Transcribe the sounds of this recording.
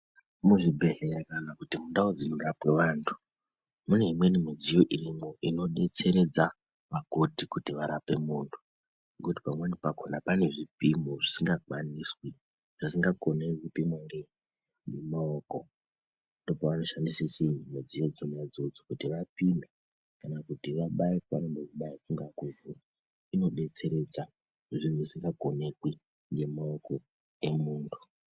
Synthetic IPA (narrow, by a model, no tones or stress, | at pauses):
muʐibʱe̞ɦeɾakanakutimundaod͡zino̞rapwe̞ʋaːntʰu̥ | mune̞ɦimwe̞nimid͡zijo̞ʔirimoʔino̞ɗe̞t͡se̞ɾe̞d͡za | ʋakotikutiʋaɾape̞muːntʰu̥ | ɡuti̥pamwenipakonapane̞ʐipimoʐisiŋɡakwaniswi | ʐ̥isiŋɡakoneipimwaŋɡe | ŋɡemaoko | ndo̞poʋano̞ʃandisisenimed͡zijed͡zomujad͡zo̞d͡zokutiʋapina | kanakutiʋaɓaika̰nombokuɓaifuŋɡakuvura | ino̞ɓe̞t͡se̞ɾe̞d͡za | ʐinusiŋɡakone̞kwi | ŋɡe̞maoko̞ | e̞muːntʰu